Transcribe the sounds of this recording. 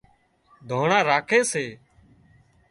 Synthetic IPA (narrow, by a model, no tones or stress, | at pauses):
d̪ʱoːɳãːɾaːkʰeːseː